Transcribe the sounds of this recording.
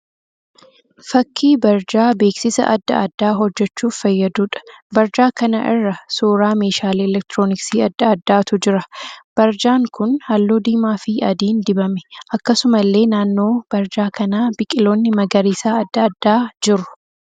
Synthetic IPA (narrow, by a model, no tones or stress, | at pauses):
fɐkʰːiːbɐɾd͡ʒaːbe̞ːksɪsɐ̰ʔɐd̪ːɐ̰ɐd̪ːaːɦɔd͡ʒːɛt͡ʃːuːffɐjːɐd̪uːᶑɐ̥bɐɾd͡ʒaːkɐnɐ̰ʔɪ̰rːɐsoːɾaːme̞ːʃaːleɛlɛk̚t̪ɾoːnɪksiːɐd̪ːɐɐd̪ːaːt̪ʊd͡ʒɪɾɐb̥ɐɾd͡ʒaːŋkʊnhɐlːoːd̪iːmaːfɪɐ̰d̪iːnd̪ɪbɐmɛ̥ʔɐkːɐsʊmɐlːe̞ːnaːnːo̞ːb̥ɐɾd͡ʒaːkɐnaːb̥ɪkʼɪlo̞ːnːɪmɐɡɐɾiːsaːɐd̪ːɐɐd̪ːaːd͡ʒɪɾʊ̥